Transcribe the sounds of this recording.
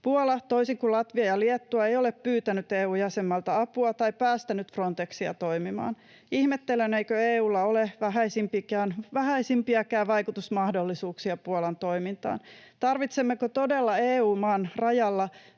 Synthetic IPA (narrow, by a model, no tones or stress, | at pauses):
puolɑt̪oisiŋkulɑt̪ʋiɑjɑliet̪ːuɑejoleppyːt̪ænyt̪eːuːjæsemːɑlt̪ɑɑpuɑt̪ɑipæːst̪ænyt̪fro̞nt̪eksiɑ̰t̪o̞imimɑ̰ːn | ihmet̪ːeleneikøeːuːlːɑoleʋæɦæisimpikæːnʋæhæisimpiækæːʋɑikut̪usmɑhdolːisuːksiɑpuolɑnt̪o̞imint̪ɑ̰ːnt̪ɑrʋit̪semːekot̪odelːɑeːuːmɑːnrɑjɑlːɑ